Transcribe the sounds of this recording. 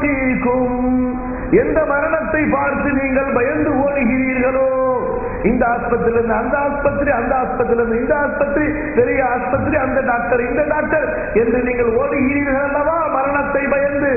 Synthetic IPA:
ɪkːɯm | ɛnd̪ɐmɐɾɐɳɐt̪ːɐɪpaːɾt̪ːɯniːŋɡɐɭbɐjɐnd̪ɯoːɳɯɣɪɾiːɾɣɐɭoː | ɪnd̪ɐaːspɐt̪ːɪlɾɯnd̪ɯɐnd̪ɐaːspɐt̪ːɾiɐnd̪ɐaːspɐt̪ːɪlɾɯnd̪ɯɪnd̪ɐaːspɐt̪ːɾi | pɛɾɪjɐaːspɐt̪̬ːɾiɐnd̪ɐɖaːk̚ʈɐɾɪnd̪ɐɖaːk̚ʈɐɾ | ɛndrɯniːŋɡɐɭoːnɯɣɪɾiːɾɣɐɭɐlːɐʋaːmɐɾɐɳɐt̪ːɐɪbɐjɐnd̪ɯ

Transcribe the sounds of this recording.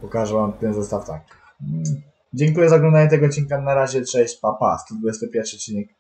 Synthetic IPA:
pɔkaʐɛvamt̪ɛnzɛst̪aft̪ak̚ | d͡ʑɛŋkujɛzaɔɡlɔnd̪aɲɛt̪ɛɡɔt̪̚t͡ɕinkanaɾaʑɛtʂɛɕt͡ɕpapa̰st̪ud̪̚bujɛst̪ɔpʲjɛɾfʂɨɔt̪t͡ɕːinɛk̚

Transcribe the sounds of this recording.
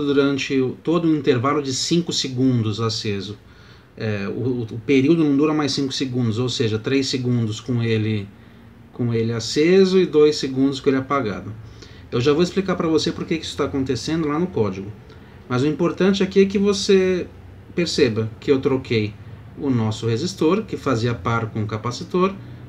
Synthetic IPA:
d̪uɾɐ̃nt͡ʃɪʊt̪od̪ʊĩnt̪eɾvalʊd͡ʒɪsĩŋkʊsɪɡũnd̪ʊzasezʊ | ɛʊ̰ːpeɾiwd̪ʊnɐ̃w̃d̪uɾɐmajssĩŋkʊ̥sɪɡũd̪ʊzowseʒɐt̪ɾejsɪɡũnd̪ʊskõelɪ | kõelɪasezʊɪd̪ojsɪɡũnd̪ʊs̬kõelɪɛpaɡa̰d̪ʊ | ewʒavoɪsplikaɾpɾɐvosepoɾkekɪi̥sʊ̥t̪akõnt̪esẽnd̪ʊlanʊkɔd͡ʒɪɡʊ | mɐzʊĩmpoɾt̪ɐ̃t͡ʃɪakiɛk̬ɪvose | peɾsebɐkɪewt̪ɾokʰej | ʊnɔsʊhezist̪oɾkɪfaziɐpaɾkõʊkapasit̪oɾ

